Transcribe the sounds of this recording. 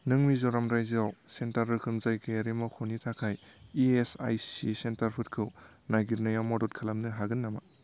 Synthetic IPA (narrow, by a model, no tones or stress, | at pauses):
nɯŋmizɔɾamɾajzawsentaɾɯkʰɯmzajkʰɯaɾimawkʰɔnitʰakʰajiesa̰jsisentaɾpʰɯt̚kʰɯw | naɡiɾnajawmɔdɔt̚kʰalamnɯɦaɡɯnːama